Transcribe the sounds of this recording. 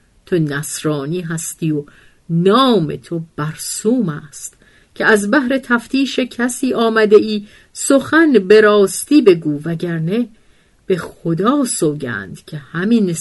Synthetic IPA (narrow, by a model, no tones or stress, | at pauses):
t̪ʰo̞næsɾɒːniːɦæst̪iːo | nɒːme̞̰t̪ʰo̞b̥æɾsuːmæːst̪ | cʲʰeæzbæɦɾe̞t̪ʰæft̪ʰiːʃe̞cʰæsiːʔɒːmæd̪e̞ʔiː | so̞xænbeɾɒːst̪iːbe̞ɡuːvæɟæɾne | b̥e̞xod̪ɒːsoːɟæ̰ːnd̪̥cʲʰe̞hæmine